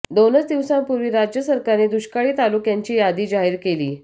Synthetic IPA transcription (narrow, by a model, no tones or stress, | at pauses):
d̪onət͡sd̪iʋsãnpuɾʋiːɾad͡ʑjəsəɾkaɾned̪uɕkaɭiːt̪alukjaɲt͡ɕiːjad̪iːd͡ʑaɦiːɾkelḭː